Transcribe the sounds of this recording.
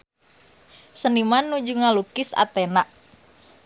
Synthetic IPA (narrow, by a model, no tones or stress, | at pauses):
sənimanːud͡ʒuŋalukɪsa̰t̪ɛnaʔ